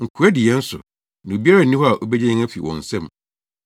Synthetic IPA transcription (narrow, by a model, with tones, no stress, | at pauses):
ŋ̩˨kʰʊ˨ɛ˦dɪ˨jɛ˦n̩˦sʊ̰˨ | nã˨o˨bi˦a˦ɾa˦˨n̩˨ĩ˦hɔ˦a˨ʔo˦be˦d͡ʑɛ̃˦ɲɪ̃˦ŋæ˦fi˨wɔ̰̃˨n̩˨sɛ̃˦m